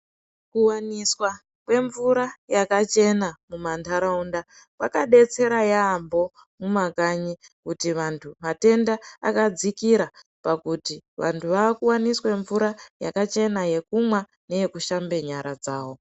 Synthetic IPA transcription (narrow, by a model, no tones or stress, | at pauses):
kuwaniswa | kwe̞ɱvuɾajakat͡ʃe̞namumantʰaɾaunda | kwakaɗe̞t͡se̞ɾajaːmbo̞ | mumakaɲikutiʋantʰumate̞nda̰ːkad͡zikiɾa | pakutiʋantʰuʋaːkuwanisweɱvuɾajakat͡ʃe̞naje̞kumwa | ne̞je̞kuʃambe̞ɲaɾad͡zaːwo̞